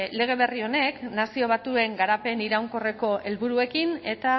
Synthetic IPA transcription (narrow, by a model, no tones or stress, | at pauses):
le̞ɣ̞e̞βe̞rio̞ne̞knasio̞β̞at̪ue̞ŋɡaɾape̞niɾawŋko̞re̞ko̞ʔe̞lβuɾue̞kine̞t̪a